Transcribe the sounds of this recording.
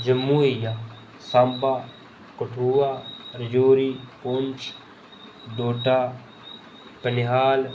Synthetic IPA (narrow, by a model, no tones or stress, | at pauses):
d͡ʒɐmːuːija | sambaː | kʊʈʰuːwaːɾɪd͡ʒoːɾikont͡ʃʰ | d̪oːʈaː | pənɪɦaːl